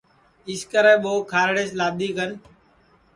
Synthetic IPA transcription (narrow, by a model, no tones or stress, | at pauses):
ɪskəɾɛ̃ːɓoːkʰaːɾɽeːslaːd̪iːkən